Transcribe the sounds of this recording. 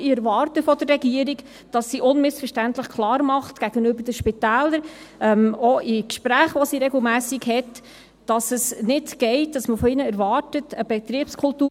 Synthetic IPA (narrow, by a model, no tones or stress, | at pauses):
ɪɛɾvɑːɾtəfɔd̥ərːɛɡiəɾik | d̥ɑsːiʔʊnmɪsfəʃtæntləχkʰlɑːɾmɑχtɡ̥æɡənøbədəʃpɪtæːləɾɛmoʔɪkʃpɾæːχʋɔsiɾɛɡl̩ˠmæːsikhɛt | d̥ɑsəsnɪtɡ̥ɛɪtdɑsməfɔɪnəɛɾvɑːɾtətəb̥ɛt̪ɾiəpskʰʊltuː